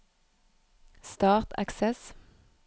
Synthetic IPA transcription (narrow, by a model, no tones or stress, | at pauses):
st̪ɑːʁt̪æ̰ksɛs